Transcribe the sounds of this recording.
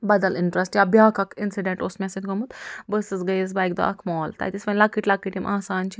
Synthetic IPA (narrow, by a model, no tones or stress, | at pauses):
bɐd̪ɐliɳʈɾɐsʈjaːbjaːkɐkʰinsiɖeɳʈoːsmʲɛsid̪ɡomut̪bəsɨzɡɐjz̬bɐjk̚d̪o̰ʔɐ̰kʰmɔːlt̪ɐ̰jt̪isʲpɐnʲlɐkːiʈʲlɐkːiʈimʔaːsaːnt͡ʃʰi